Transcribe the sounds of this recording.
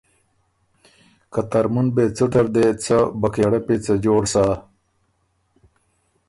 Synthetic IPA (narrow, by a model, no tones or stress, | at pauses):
kat̪ɐɾmunbeːt͡suʈɐɾd̪et͡sɐbɐkeːɽepet͡səd͡ʑoːɽsaː